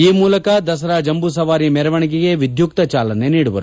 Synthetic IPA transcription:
iːmuːlɐkɐd̪ɐs̬ɐɾaːd͡ʒɐmbus̬ɐʋaːɾimɛɾɐʋɐɳiɡiɡe̞ʋid̪juk̚t̪ɐt͡ʃaːlɐneniːɽuʋɐ̰ɾu

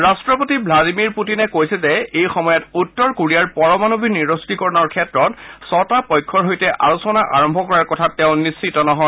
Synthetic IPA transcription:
ɹastɹɔpotibʱladimiɹputinɛkojsɛzɛejxɔmɔjɔtutːɔɹkuɹijaɹpɔɹɔmanubʱiniɹostikɔɹɔnɔɹkʰɛtɹɔtsɔtapɔjkʰːɔɹɦojtɛʔalusɔnaʔa̰ɹɔmbʱɔkɔɹaɹkɔtʰatːɛʊ̃nisːitɔnɔɦɔ

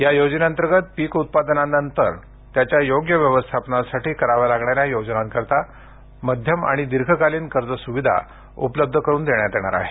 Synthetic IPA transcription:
jajod͡ʑnãnt̪əɾɡət̪̚piːkut̪̚pad̪nanənt̪əɾ | t̪jat͡ɕjajoɡjəʋjəʋəst̪ʰapnasaʈiːkəɾaʋalaɡɳaɾjajod͡ʑnãnkəɾt̪a | məd̪ʱjəma̰ɽ̃id̪iɾɡʰʱəkaliːnkəɾd͡zəsuʋid̪ʱa̰ | ṵpləb̚d̪ʱəkəɾuːnd̪eɳjat̪eɽ̃a̰ɾa̰ɦe

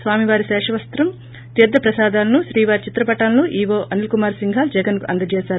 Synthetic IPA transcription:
sʋaːmiʋaːɾiʃɛːʂɐʋɐst̪ɾɐm | t̪iːɾd̪ːɐpɾɐsaːd̪aːlɐnuʃɾiːʋaːɾit͡ʃit̪ɾɐpɐʈaːlɐnuʔiːʋoːʔɐnilkumaːɾsiŋɡʱaːld͡ʒɛɡɐnkuʔɐnd̪ɐd͡ʒɛːsaːɾu

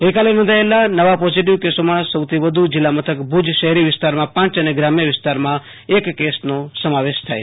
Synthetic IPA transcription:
ɡəjkalenɔ̃nd̪ʱaelanəʋapoziʈ̬iʋkesomãsəwt̪ʰiʋəd̪ʱud͡ʒilːamət̪ʰəkbʱud͡ʒʃəɦɾiʋɪst̪aɾmãpãt͡ʃəneɡɾamjəʋɪst̪aɾmã | ekːesnosəmaʋeʃt̪ʰa̰e

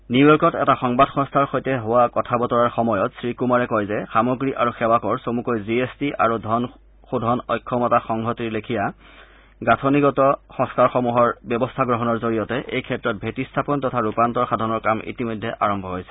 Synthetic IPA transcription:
nujɔɹkɔtɛ̰taxɔŋbadʱxɔ̃ŋstʰaɹxojtɛɦowakɔtʰabɔtɔɹaɹxɔmɔjɔtsɹikumaɹɛkɔjzɛxamɔɡɹiʔaɹuxɛwakɔɹsomukojziestiʔa̰ɹudʱɔn | xudʱɔnɔjkʰːɔmɔtaxɔŋɡʱɔtiɹlekʰija | ɡatʰɔniɡɔtɔxɔ̃ŋskaɹxɔmuɦɔɹbɔbɔstʰaɡɹɔɦɔnɔɹzoɹijɔtɛʔḛjkʰɛtɹɔt̚bʱetistʰapɔntɔtʰaɹupantɔɹxadʱɔnɔɹkamḭtimɔjdʱːɛʔaɹɔmbʱɔɦojsɛ̥

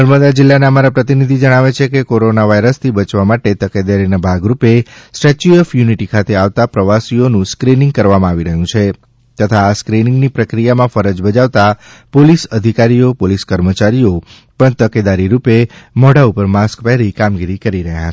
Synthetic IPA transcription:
nəɾməd̪ad͡ʒɪlːaneəmaɾapɾət̪inid̪ʱid͡ʒəɽ̃aʋet͡ʃʰekekoɾonaʋaiɾəst̪ʰibət͡ʃʋamaʈet̪əked̪aɾinabʱaɡɾupesʈet͡ʃjuefjuniʈikʰat̪ʰeaʋt̪apɾəʋasionũskɾinɪ̃ŋɡ̚kəɾʋamãaʋiɾəɦjũt͡ʃʰe | t̪ət̪ʰaːskɾinɪ̃ŋɡnipɾəkɾijamãfəɾəd͡ʒbəd͡ʒaʋt̪apolisəd̪ʱikaɾiopoliskəɾmət͡ʃaɾio | pəɳt̪əked̪aɾiɾupemɔɽaupəɾmaskpɛɦɾikamɡiɾikəɾiɾəɦja̰t͡ʃʰ

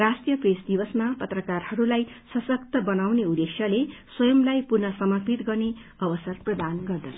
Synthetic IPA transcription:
rasʈijʌpresd̪ibʌsmapʌt̪rʌkarhʌɾulaj | sʌsʌk̚t̪ʌbʌnawneud̪eksjʌleswʌjʌmlajpurnʌsʌmʌrpit̪ɡʌrne | ʌbʌsʌrprʌd̪anɡʌrd̪ʌsʰʌ

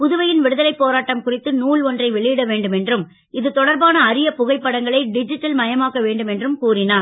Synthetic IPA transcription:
pʊðɯʋɐjɪnʋɛɽɯðɐlɐɪpːoːɾaːʈːɐmkʊrɪt̪ːɯnuːɭɔndrɐɪʋɛɭɪjɪɽɐʋeːɳɖɯmɛndrɯm | ɪðɯt̪ɔɽɐɾbaːnɐːɾɪjɐpʊɣɐɪpːɐɽɐŋɡɐɭɐɪɖɪd͡ʒɪʈːɐlmɐjɐmaːkɐʋeːɳɖɯmɛndrɯmkuːrɪnaː

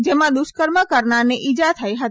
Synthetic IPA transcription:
d͡ʒemãd̪ʊʃkəɾməkəɾɳaɾneʔid͡ʒat̪ʰəjɦət̪i

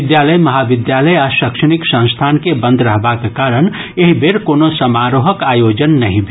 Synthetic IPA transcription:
ɪd̪jaːləjmɐɦaʋɪd̪jaːləjaʃəkʃəñiksə̃w̃st̪ʰaːnkebə̃nd̪ɾɐɦbakekaːɾən | eɦibʱeɾkoːnosəmaːɾoɦəkaːjoːd͡ʒənːɐɦĩbʱ

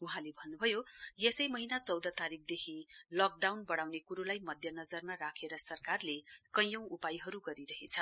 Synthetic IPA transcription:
uɦãlebʱʌnːubʱʌjojesʌjmʌɦinat͡sʌwd̪ʌt̪aɾik̚d̪ekʰilʌk̚ɖawnbʌɽ̃awnekuɾolajmʌd̪ʱjʌnʌd͡zʌrmarakʰeɾʌsʌrkarlekʌ̃jjʌ̃w̃upajɦʌɾuɡʌɾiɾʌɦet͡sʰʌ

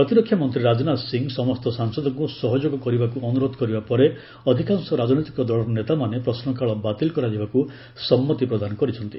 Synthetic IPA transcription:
ppɾɔt̪iɾɔkʰjamɔnt̪ɾiɾad͡ʒɔnasiŋɡsɔmɔst̪ɔsaŋsɔd̪ɔŋkusɔɦɔd͡ʒoɡɔkɔɾibakuɔnuɾod̪ʱɔkɔɾibapɔɾe | ɔd̪ʱikaŋsɔɾad͡ʒnɔjt̪i̥kɔd̪ɔɭɔnet̪amanepɾɔsnɔkaɭɔbat̪ilkɔɾad͡ʒibaku | sɔmːɔt̪ipɾɔd̪anɔkɔɾit͡ʃʰɔnt̪i

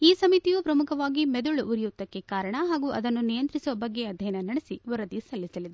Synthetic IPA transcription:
iːsɐmit̪ijuːpɾɐmukʰɐʋaːɡimɛd̪uɭuʔuɾijut̪ːɐkːe̞kaːɾɐɳɐɦaːɡuːʔɐd̪ɐnːunijɐnt̪ɾisuʋɐbɐɡːe̞ɐd̪ʱjɐjɐnɐnɐɽesiʋɐɾɐd̪isɐɭisɐlid̪e

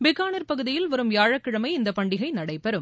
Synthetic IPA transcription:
bɪɣaːnɐɾpɐɣɯðɪjɪlʋɐɾɯmjaːɻɐkːɪɻɐmɐɪɪnd̪ɐpɐɳɖɪɣɐɪnɐɽɐɪpɛɾɯm

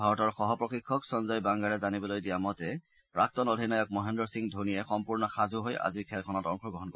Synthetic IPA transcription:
bʱaɹɔtɔɹxɔɦɔpɹɔxikʰːɔksɔnzajbaŋɡaɹɛzanibɔlojdiamɔtɛ | ɹak̚tɔnodʱinajɔk̚mɔɦɛndɔɹsiŋdʱunijɛxɔmpuɹnɔxazuɦoja̰zikʰɛlkʰɔnɔtɔŋxɔɡɹɔɦɔnko

